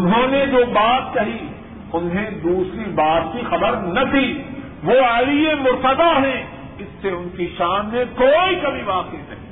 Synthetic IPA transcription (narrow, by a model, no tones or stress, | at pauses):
ʊnɦõːned͡ʒoːbaːt̪̚kɐɦi | ʊnɦẽd̪uːsɾibaːt̪̚kixɐbəɾnɐt̪ʰi | ʋoːɐliemʊɾt̪əd̪aɦɛ̃ | ɪsːeʊnkiʃaːmnekoːikɐbʱibaːqnĩt̪ɐɦi